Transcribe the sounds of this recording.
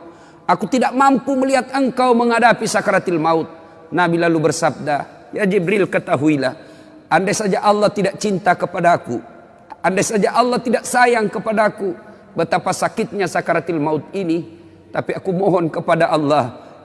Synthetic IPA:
akut̪idaʔmampuməliɦat̪̚əŋkauməŋadapisakaɾat̪ilmaut̪̚ | nabilalubərsab̚da | jad͡ʒɛbɾilkət̪aɦuila̰h | andasad͡ʒaʔalːaht̪idaʔt͡ʃint̪akəpadakṵ | andasad͡ʒaʔalːaht̪idaʔsajaŋkəpadaku | bət̪apasakit̪̚ɲasakaɾat̪ilmaut̪̚ini | t̪apiakumɔɦɔnkəpadaʔalːah

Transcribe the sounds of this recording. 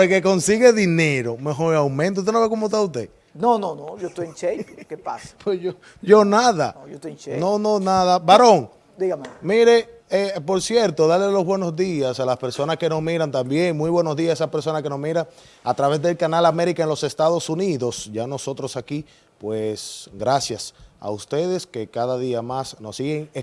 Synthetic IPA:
pɾake̞ko̞nsiɣe̞ðine̞ɾo̞meɦoɾawmẽnt̪ot̪noβekomost̪aust̪e̞ | nononoʝost̪ojẽnt͡ʃejkepaspwesʝo | ɟ͡ʝo̞naðajot̪ojt͡ʃenonõnaðabaɾoŋ | d̪iɣamemiɾe | epo̞ɾsje̞ɾt̪o̞ðaɾlelo̞zβwe̞no̞zðiasalaspe̞ɾso̞naske̞no̞smiɾant̪ambje̞ŋmujβwe̞no̞zðiasesape̞ɾso̞nake̞no̞smiɾaŋ | at̪ɾaβe̞zðe̞lkanalame̞ɾikaenlo̞se̞st̪aðo̞suniðo̞sʝano̞so̞t̪ɾo̞saki | pwesɡɾasjasa̰ust̪e̞ðe̞ske̞kaðaðiamasno̞siɣeŋe

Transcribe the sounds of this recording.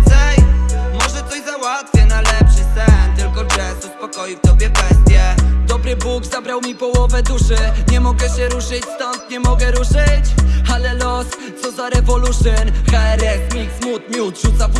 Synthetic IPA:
t̪sajmɔʐɛt̪sɔɕzawat̪fʲjɛnalɛpʂɘsɛnt̪ɘlkɔt͡ʂɛsuspɔkɔjiwt̪ɔbʲjɛbɛst̪ʲjɛd̪ɔbɾɘbuɡzabɾawmʲipɔwɔvɛd̪uʂɘɲɛmɔɡɛɕɛɾuʂɘt͡ɕst̪ɔnt̪ɲɛmɔɡɛɾuʂɘt͡ɕalɛlɔs | sɔzaɾɛvɔluʂɛnxaɛɾɛsmʲiksmut̪ɲiud̪ʐ̥ut̪saf

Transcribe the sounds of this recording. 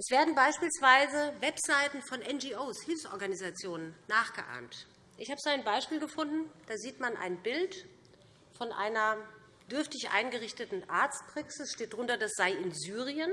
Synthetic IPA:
ʔɛsv̥eːɐdn̩baɪʃpiːlsv̥aɪzəvɛpz̥aɪtn̩fɔnʔɛnd͡ʒiːʔoːshɪlfsʔɔ̰ɐɡanizat͡sjoːnənːaːχɡ̥əʔa̰ːmt | ʔɪçhaːbəzaɪnbaɪʃpiːlɡəfʊndn̩d̥aːziːtmanʔa̰ɪnbɪlt | fɔnʔa̰ɪnɐ | d̥ʏɐftɪçʔa̰ɪnɡəʁɪçtətn̩ʔaɐt͡st̚pʁ̥aksɪsʃteːt̚d̥ʁʊntɐd̥asz̥aɪɪnzyːʁ̞iən

